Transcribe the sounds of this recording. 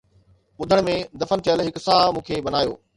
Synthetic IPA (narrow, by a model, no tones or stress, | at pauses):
ɓʊd̪ʱəɽ̃mẽd̪ɐfənt̪jəlɦɪksaːmũːkʰeɓɐnaːjo̰ː